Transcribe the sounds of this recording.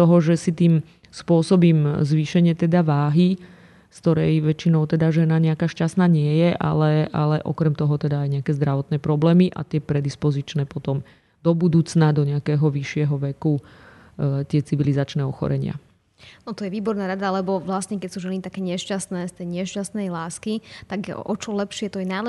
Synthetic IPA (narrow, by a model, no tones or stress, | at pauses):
ɔɦɔʒɛsit̪iːm | spʊɔsɔbiːmzʋiʃɛɲɪɛt̪ɛd̪aʋaːɦi | skt̪ɔɾɛjʋɛt͡ʃinɔʊt̪ɛd̪aʒɛnaɲɛakaːʃcast̪naːɲɪɛjɛʔa̰lɛʔa̰lɛʔɔ̰kɾɛmt̪ɔɦɔt̪ɛd̪aːjɲɛakɛːzd̪ɾaʋɔt̪nɛːpɾɔblɛːmiʔa̰t̪ɪɛpɾɛd̪ispɔzit͡ʃnɛːpɔt̪ɔm | d̪̥ɔbud̪uːt͡snad̪ɔɲɛakɛːɦɔʋiʃːɪɛɦɔʋɛku | t̪ɪɛt͡siʋilizat͡ʃnɛːɔxɔ̰ɾɛ̰ɲɪa̰ | nɔt̪ɔjɛʋiːbɔɾnaːɾad̪alɛbɔʋlasɲɛkɛcsuːʒɛnit̪akɛːɲɪɛʃcasnɛːst̪ɛjɲɪɛʃcasnɛjlaːskit̪aɡɛʔɔt͡ʃɔlɛpʃɪɛt̪ɔjɛnajl